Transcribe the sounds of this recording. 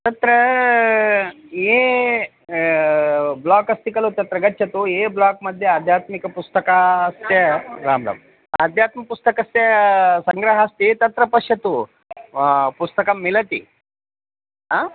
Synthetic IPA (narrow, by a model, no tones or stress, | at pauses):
t̪ɐt̪ɾɐ | e | blaːkɐst̪ikɐlut̪ɐt̪ɾɐɡɐtːt͡ʃɐt̪ueblaːk̚mɐd̪ʱːjead̪ʱjaːt̪mikɐpust̪ɐkaːst̪jɐɾaːmɾɐ̰m | ad̪ʱjaːt̪mɐpust̪ɐkɐst̪jɐsɐŋɡɾɐɦɐst̪it̪ɐt̪ɾɐpɐʂɐt̪u | pust̪ɐkɐmːilɐt̪ḭ | ɦaː